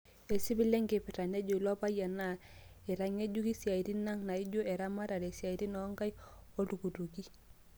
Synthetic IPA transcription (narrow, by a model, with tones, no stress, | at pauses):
ɛ˨si˦bi˦lɛ˦ŋɡɛ˨pɛ˨ta˨nɛ˦d͡ʒo˨i˨lɔ˦pa˦ja˨na˦˨ | ɛ˨ɾa˦ŋe˦d͡ʒu˦ki˦si˨a˨i˨ti˦na˦ŋna˨i˦d͡ʒo˦ɛ˨ɾa˦ma˦ɾa˨ɾɛ˨si˨a˨i˦ti˦nɔ˦ŋɡa˦j | o˦tu˨ku˨tu˨ki˦